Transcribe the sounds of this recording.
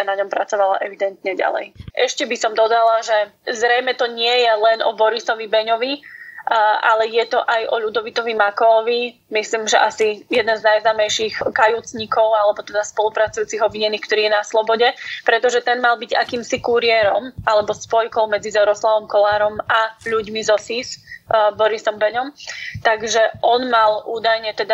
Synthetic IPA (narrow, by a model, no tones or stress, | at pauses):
naɲɔmpɾat͡sɔʋala̰ʔɛʋid̪ɛnt̪ɲɛɟa̰lɛ̰jʔɛʃcɛbisɔmd̪ɔd̪alaʒɛzɾɛjmɛt̪ɔɲɪɛjɛlɛnʔɔ̰bɔɾisɔʋibɛɲɔʋi | ʔalɛjɛt̪ɔʔajɔʎud̪ɔʋit̪ɔʋimakɔʋi | misliːmʒɛ̰ʔasijɛd̪ɛnznajznaːmɛjʃixkajuːt͡sɲikɔʊalɛbɔt̪ɛd̪aspɔlupɾat͡sujuːt͡siɣɔbʋiɲɛnːiːxk̚t̪ɔɾiːjɛnaslɔbɔɟɛpɾɛt̪ɔʒɛt̪ɛnmalbiɟa̰kiːmsikuɾiɛɾɔmʔalɛbɔspɔjkɔʊmɛd͡zizɛɾɔslaʋɔmkɔlaːɾɔmaʎuɟmizɔsisbɔɾisɔmbɛɲɔmt̪aɡʒɛʔɔnmalʔuːd̪ajɲɛt̪ɛd̪a